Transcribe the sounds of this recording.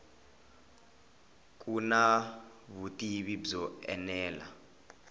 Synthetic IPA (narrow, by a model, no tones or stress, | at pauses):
k̬ʼuna | βutʼiβibzɔɛ̰nɛːla̰